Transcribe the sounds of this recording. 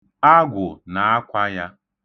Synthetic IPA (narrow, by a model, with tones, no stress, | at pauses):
a˦ɡʷʊ˨na˨a˦kʷa˦ja˦